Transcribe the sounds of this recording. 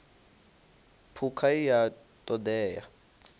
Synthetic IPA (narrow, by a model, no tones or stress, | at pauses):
pʰukʰaija | tʼɔdɛːja̰